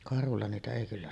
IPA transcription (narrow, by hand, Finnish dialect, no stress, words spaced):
kɑrhulːɑ niːtæ eˑi kylːæ